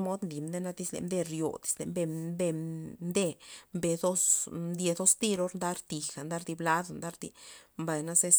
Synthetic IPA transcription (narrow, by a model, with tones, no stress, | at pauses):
mo˦d̪nli˨md̪e˦na˦d̪i˧slḛ˧md̪e˧ɾjo̰˨d̪i̥˦slḛ˨mbe˧mbe˧d̪e˦mbe˧˨d̪o˦sd̪ʲje˧d̪o˦st̪i˦ɾo˦ɾnd̪a˦ɾt̪i˨xa˨nd̪a˦ɾd̪i˧bla˦d̪a˨nd̪a˦ɾd̪ḭ˧mba˨jna˦se˦s